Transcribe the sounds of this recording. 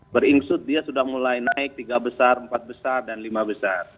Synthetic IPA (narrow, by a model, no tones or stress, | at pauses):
bəɾiŋsʊt̪̚diasudahmulajnaɪk̚t̪iɡabəsarəmpat̪̚bəsardanlimabəsar